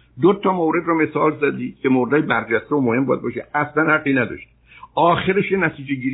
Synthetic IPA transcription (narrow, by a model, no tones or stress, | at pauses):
d̪ot̪ʰɒmowɾe̞d̪ɾɔme̞sɒːlzæd̪i̥ːcʰemoːɾed̪ːjebæɾd͡ʒæst̪eomohe̞mbɒːjæd̪̚bɒːʃeʔæslænhæqːinæd̪ɒ̰ʃt̪i̥ | ʔɒːxeɾeʃjenæt̪ʰiːd͡ʒeɡiːɾ